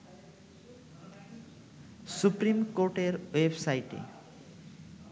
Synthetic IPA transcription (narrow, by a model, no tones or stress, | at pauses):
suprimkoɾʈeɾwebsajʈḛ